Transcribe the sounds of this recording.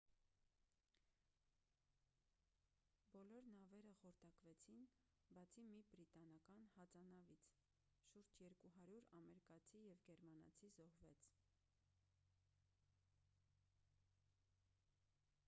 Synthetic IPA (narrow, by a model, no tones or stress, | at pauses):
bɔlɔɾnɑvɛɾəχɔɾt̪ɑkvɛt͡sʰin | bɑt͡sʰimibɾit̪ɑnɑkɑnhɑt͡sɑnɑvit͡sʰ | ʃuɾd͡ʒjɛɾkuɦɑɾjuɾɑmɛɾikɑt͡sʰijɛvɡɛɾmɑnɑ̰t͡sʰizɔhvɛt͡sʰ